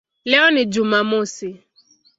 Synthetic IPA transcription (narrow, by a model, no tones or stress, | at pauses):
lɛɔnɪd͡ʒumamosɪ